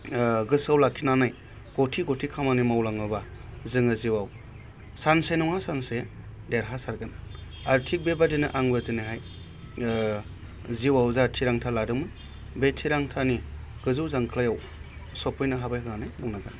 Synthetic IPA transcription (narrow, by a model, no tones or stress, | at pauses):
ɡɯsawlakʰinanaj | ɡ̥otʰiɡotʰikʰamanimawlaŋɯbazɯŋɯziwaw | sansenɔŋasanse | deɾɦasaɾɡɯn | aɾtʰik̚bebadinɯʔaŋbadɯnɯɦaj | ziwawzatʰiɾaŋtʰaladɯmɯj | betʰiɾaŋtʰaniɡ̥ɯzɯwzaŋkʰlajaw | sɔpʰɯjnaɦabajɦɯanajmɔnaɡɯn